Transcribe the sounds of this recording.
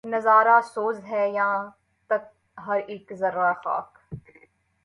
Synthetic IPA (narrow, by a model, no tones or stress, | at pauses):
nɐzaːɾasoːzɦɛːjãː | t̪ɐk̚ | ɦɐɾeːkzɐɾːaxa̰ːk